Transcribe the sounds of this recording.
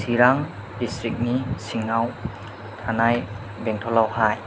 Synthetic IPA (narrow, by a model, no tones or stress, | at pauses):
siɾaŋ | distɾik̚nisiŋnaw | tʰanaj | bɛŋtʰɔlawhaj